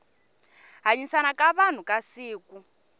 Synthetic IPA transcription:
ɦaɲisanakʼaβan̤ukʼasiːku

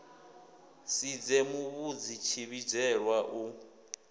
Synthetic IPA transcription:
sid͡zɛmuβud͡zit͡ʃʰiβid͡ʒɛɺwaʔu

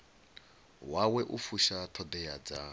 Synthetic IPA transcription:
wawɛʔufuʃatʰɔdɛjad͡za

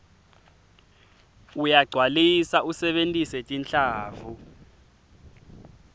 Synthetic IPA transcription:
ujaɡ͡ǀʱwalisausɛɓentʼisɛtʼint͡ɬʼaːvu

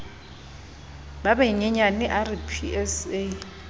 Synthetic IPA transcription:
babɛiŋɛɲaniʔaripʰiɛse

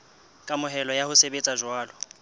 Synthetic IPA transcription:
kʼamʊɦɛlɔjahʊsebet͡sʼaʒwaːlɔ

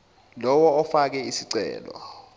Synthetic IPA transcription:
lɔwɔːfak̬ɛisiǀɛ̰ːlɔ̰

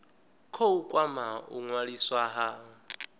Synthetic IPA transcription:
kʰoukʼwamaṵŋwaɺiswaɦa

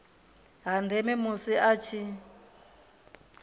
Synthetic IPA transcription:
ɦandʱɛmɛmusiʔat͡ʃʰi

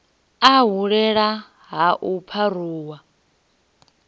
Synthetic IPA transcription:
aɦuɺɛɺa | ɦaʔupʰaruːwa

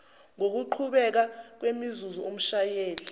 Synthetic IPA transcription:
ŋok̬uǃʰuɓɛk̬ak̬wemizuzuom̩ʃajeːli

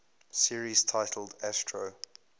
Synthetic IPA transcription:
siɹiz̥tʰaɪtʰəl̩ˠdæstʰɹo

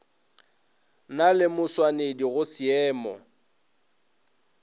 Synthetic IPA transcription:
nalɪmʊswanediɣʊsiɛːmɔ̰

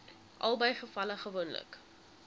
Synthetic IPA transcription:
ʔɐ̰lˠbəjχəfɐləχəvonlə̰k

